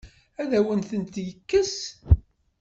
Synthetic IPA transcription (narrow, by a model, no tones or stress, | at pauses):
æðæwənθənt̪jəkːəs